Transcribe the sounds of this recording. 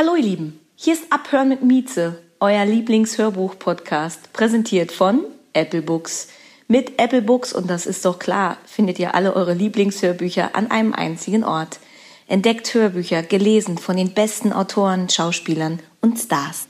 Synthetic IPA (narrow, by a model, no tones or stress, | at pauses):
haloːiɐliːbm̩ | hiːɐɪstʔaphøːɐʁənmɪtmiːt͡səʔɔʏɐliːplɪŋshøːɐbuːxpʰɔtkʰaːstpʁ̥ɛzɛntʰiːɐtfɔnʔɛpl̩bʊks | mɪtʔɛpl̩bʊksʊ̰nt̚d̥asɪ̰st̚d̥ɔχkʰl̥a̰ːɐfɪndətiːɐʔa̰ləʔɔʏʁəliːplɪŋshøːɐbyːçɐ̰ʔa̰nʔa̰ɪnəmʔa̰ɪnt͡sɪɡŋn̩ʔɔ̰ɐt | ʔɛnt̚d̥ɛkthøːɐbyːçɐɡ̥əleːzn̩fɔndeːnbɛstn̩ʔa̰ʊtʰoːʁənʃaʊʃpiːlɐnʔʊntstaːs